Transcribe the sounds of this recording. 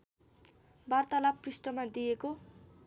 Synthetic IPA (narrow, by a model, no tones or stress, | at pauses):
bart̪ʌlaprisʈʌmad̪ijeko